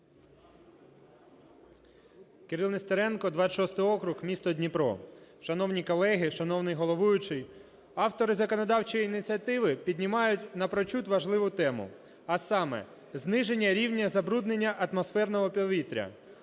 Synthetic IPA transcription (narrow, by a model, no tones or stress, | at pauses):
keɾɨlˠnest̪eɾɛnkɔd̪ʋɑʃɔst̪ɪjɔkɾʊxmʲist̪ɔdʲnʲipɾɔ̰ʃɐnɔwnʲikɔlˠɛɦɪʃɐnɔwnɪjɦɔlˠɔʋujʊt͡ʃɪj | ɑwt̪ɔɾɪzɐkɔnɔd̪ɑwt͡ʃɔjiːnɪt͡sʲiɐt̪ɪʋɪpʲid̪ʲnʲimɑjʊtʲnɐpɾɔt͡ʃut̪ʋɐʒlˠɪʋʊt̪ɛmʊ̰ | ɐsɑmɛ̰ | znɪʒe̞nʲːɐɾʲiwnʲɐzɐbɾud̪ne̞nʲːɐʔɐt̪mɔsfɛrnɔɦɔpʲɔʋʲit̪ɾʲɐ̰